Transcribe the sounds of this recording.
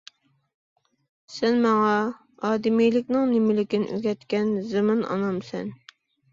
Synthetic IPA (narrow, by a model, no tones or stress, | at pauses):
sɛnmɑŋɑ | ɑːd̪ɪmijlɪkʲnɪŋnɪmɪlɪkʲinɪ̰ʔy̰ɡʲɛt̪kʲɛnzɨmɨnɑ̰nɑmsɛ̰n